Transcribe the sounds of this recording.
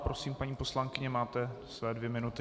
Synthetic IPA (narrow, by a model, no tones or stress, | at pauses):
pɾo̞siːmpaɲiːpo̞slaŋkɪɲɛmaːt̪ɛsvɛːdvjɛmɪnut̪ɪ